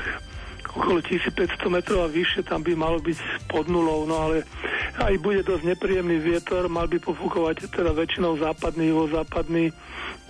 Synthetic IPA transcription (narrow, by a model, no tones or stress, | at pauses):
ɔkɔlɔcisiːt͡spɛcst̪ɔmɛt̪ɾɔʊaʋiʃːɪɛt̪ambimalɔbicpɔd̪nulɔʊnɔalɛajbuɟɛd̪ɔzɟɲɛpɾiːjɛmniːʋɪɛt̪ɔɾmalbipɔfukɔʋact̪ɛd̪aʋɛt͡ʃinɔʊzaːpad̪niːʋɔzaːpad̪ni